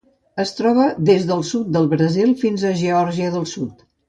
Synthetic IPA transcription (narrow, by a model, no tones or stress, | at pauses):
əst̪ɾɔβ̞əðezðəlˠsut̪̚d̪əlˠβɾəzilˠfinzəʒəɔɾʒiəðəlˠsut̪